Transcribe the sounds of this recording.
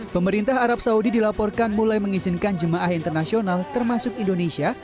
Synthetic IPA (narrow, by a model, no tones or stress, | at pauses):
pəməɾint̪aɦaɾap̚saudidilapɔrkanmulajməŋizɪnkand͡ʒəmaʔaɦint̪ərnasionalt̪ərmasʊkindonesia